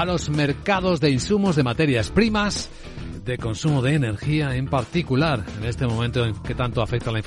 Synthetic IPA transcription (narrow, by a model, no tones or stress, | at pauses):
alo̞zme̞ɾkað̞o̞zðe̞insumo̞zðe̞mat̪e̞ɾjaspɾimaz | d̪e̞ko̞nsumoðeːne̞ɾxiae̞mpaɾt̪ikulaɾe̞ne̞st̪e̞mõ̞mẽnt̪oeŋke̞t̪ant̪oafe̞k̚t̪alaiɱf